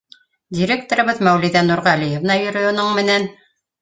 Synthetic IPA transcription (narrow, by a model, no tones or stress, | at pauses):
dʲiɾʲek̚t̪oɾɤ̆βɤðmæwlɘðænuɾʁælijĕvnɑjɵ̆ɾɵŏnoɴmɘ̆næn